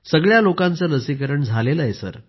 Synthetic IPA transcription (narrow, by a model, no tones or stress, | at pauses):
səɡɭjalokãnt͡sələsik̬əɾəɳd͡zʱaleləjesə̰ɾ